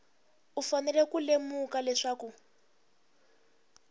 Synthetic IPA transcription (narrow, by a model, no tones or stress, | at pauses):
ufanɛlɛkulemukalɛʂaːku